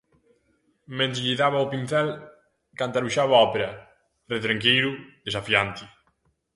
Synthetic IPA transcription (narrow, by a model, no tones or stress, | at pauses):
mẽnt̪ʎiðaβaopinθɛl | kant̪aɾuʃaβaɔpeɾɐ | ret̪ɾaŋkejɾuðesafjant̪i